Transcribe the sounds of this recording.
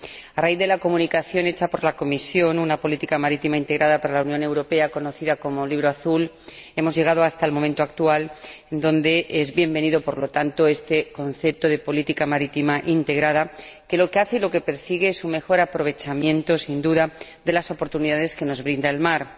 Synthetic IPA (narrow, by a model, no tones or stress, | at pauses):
araiððe̞lako̞mũnikaθjo̞ne̞t͡ʃapo̞ɾlako̞misjo̞nunapo̞lit̪ikamaɾit̪imaint̪e̞ɣɾʔaðapaɾalawnjõ̞ne̞wɾo̞pe̞ako̞no̞θiðako̞mo̞liβɾoaθul | e̞mo̞zʝe̞ɣ̞að̞o̞ast̪almo̞ment̪o̞akt̪ualend̪õ̞nd̪e̞ʔezβje̞mbe̞niðo̞po̞ɾlo̞t̪ant̪o̞e̞st̪e̞ko̞nθe̞p̚t̪o̞ð̞e̞po̞lit̪ikamaɾit̪imaʔint̪e̞ɣɾaðake̞lo̞keaθe̞lo̞ke̞peɾsiɣ̞e̞esume̞xo̞ɾapɾo̞β̞e̞t͡ʃamjẽ̞nt̪o̞sind̪uðad̪e̞laso̞poɾt̪uniðaðe̞ske̞nozβɾind̪aelmaɾ